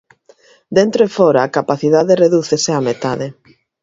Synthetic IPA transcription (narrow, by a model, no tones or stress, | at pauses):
d̪ent̪ɾoefɔɾaːkapaθiðaðereðuθeseamet̪aðe